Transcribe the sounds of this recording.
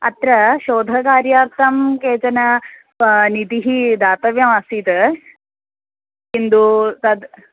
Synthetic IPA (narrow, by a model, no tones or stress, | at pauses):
ɐ̰t̪ɾɐʃoːd̪ʱɐkaːɾjaːɾt̪ʰɐmkeːt͡ʃɐnɐ | nit̪iɦid̪aːt̪ɐʋjɐmɐsit̪ɐ | kind̪ut̪ɐd̪